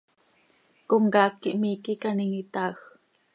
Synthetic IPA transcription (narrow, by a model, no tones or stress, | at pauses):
koŋɡɑːkːiʔmikikaniŋit̪aːx